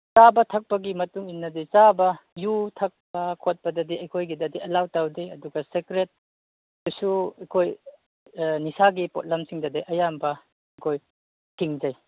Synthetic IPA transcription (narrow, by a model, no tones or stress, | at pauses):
t͡ʃabɐtʰɐk̚pɐɡimɐtuŋinːɐdit͡ʃabɐjutʰɐk̚pɐkʰot̚pɐdɐdiɐjkʰojɡidɐdiɐlawtawdiɐduɡɐsekɾet̚ | dusuɐkʰoj | nisaɡipot̚lɐmsiŋdɐdeʔɐjambɐ | ɐkʰoj | tʰiŋd͡ʒaj